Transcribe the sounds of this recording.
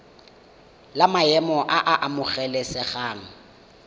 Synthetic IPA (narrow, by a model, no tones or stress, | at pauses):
lamaɛmɔʔaʔaʔamʊχɛlɛsɛχaːŋ̩